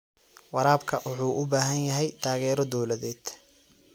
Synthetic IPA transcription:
wɑɾaːbkʰɐʔwʊħuːʔʊbaːɦɐnjɐɦɛjt̪ʰaːɣɛːɾɔd̪ɔwlɐðɛːd̪̥

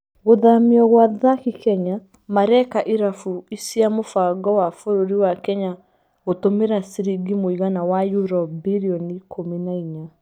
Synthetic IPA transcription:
ɣoðamiɔɣwaðakikɛɲa | maɾɛkaʔiɾafuisiamofaɡɔwafoɾoɾiwakɛɲa | ɣotomeɾasiɾiɡimoiɣanawajuɾɔbiɾiɔnikʰominaiɲa

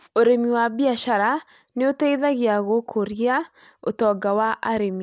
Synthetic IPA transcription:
oɾemiwabiaʃaɾa | neoteiðaɣjaɣokʰoɾja | otɔɡawaʔaɾemi

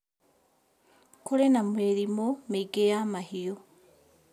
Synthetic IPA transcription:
kolenamweɾimomeɡejamahio

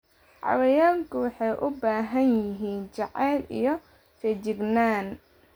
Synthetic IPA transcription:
ʕɑ̰wɛjaːlkʰʊwɑħɑjʔʊbaːɦɐnjɪɦiːnt͡ʃɑʕɛːlḭjɔ | fɛt͡ʃɪɡnaːn

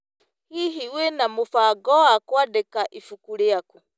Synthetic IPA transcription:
hiɦiwenamufaɡɔakwadɛkaʔifukuleaku

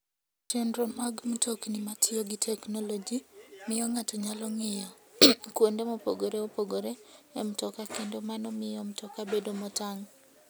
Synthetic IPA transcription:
t͡ʃɛndɾomaɡm̩toknɪmatʰɪoɡitʰɛknolod͡ʒimɪjɔŋatɔɲalɔŋɪjɔkwondemɔpoɡoɾeopoɡoɾeːmtɔkakendomanɔmɪjɔmtɔkabedomɔtaŋ

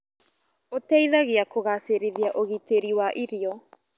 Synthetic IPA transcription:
otɛiðaɣeakoɣaseɾiðiaʔoɣiteɾiwaʔiɾiɔ

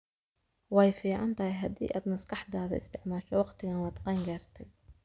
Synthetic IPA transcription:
wɑjfiːʕɑnt̪ʰɐɦɪjɦɐd̪ḭːʔa̰ːd̪mɐskɑħd̪aːðɐ̰ɪst̪ʰɪʕmaːʃɔwɑqt̪ʰɪɣɐnwɑːd̪qɑːŋɡaːrt̪ʰɛj

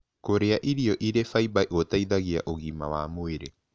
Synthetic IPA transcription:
koɾeaʔiɾiɔʔiɾefaibaiʔotaiðaɣia̰ʔoɣimawaːmoeɾe

